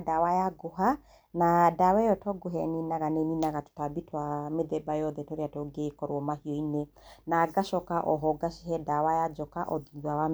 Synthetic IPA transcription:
dawajaɡoɦa | nadawɛjɔtɔɡoɦɛ̰ninaɣanɛninaɣato̥tabitwameðɛbajɔðɛtɔɾeatɔɡekɔɾwɔmahiɔine | naɡaʃɔkaʔɔɦɔɡaʃiɦɛdawajad͡ʒɔkaʔɔðawa

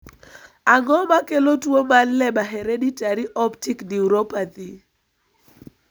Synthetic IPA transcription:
aŋɔmakelotwomanlɛɓaɦeɾeditaɾiʔɔptikniuɾopat̪i

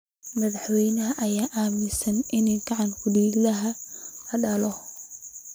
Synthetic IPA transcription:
mɐðɑħwɛjnɐɦɐʔɐjaːʔaːmɪsɐnʔɪnɛːɡɑʕɑnkʰʊɖiːɡlɐɦɐlɐɖɐlɔ

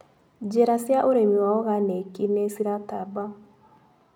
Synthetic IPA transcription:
d͡ʒeɾasjaʔoɾemiwaɔɣanekinesiɾataba

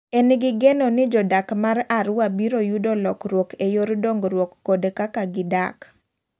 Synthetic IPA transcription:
enɡɪɡɛnonɪd͡ʒɔdakmaɾaɾʊwabiɾojudolɔkɾwɔkejoɾdoŋɡɾwɔkːodkakaɡɪda̰k

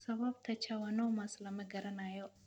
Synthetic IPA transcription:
səβaβt̪ʰət͡ʃʰawənəwmasləməɡəɾənajɛw

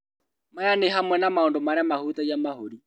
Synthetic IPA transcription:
majaneɦamwɛnamaondomaɾeamahut̪aiamahoɾi

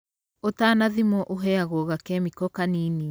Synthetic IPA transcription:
otaːnaðimɔʔoɦɛaɣɔɣakɛmikɔkanini

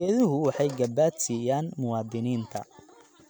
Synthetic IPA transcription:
ɛðʊɦʊwɑħɑjɡɐbaːd̪siːjaːnmʊwɑːd̪ɪniːnt̪ʰɐ̰

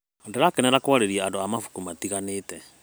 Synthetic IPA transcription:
ndɛɾakenɛɾakwaɾeɾiaandoamafu̥kumatiɣaneːtɛ

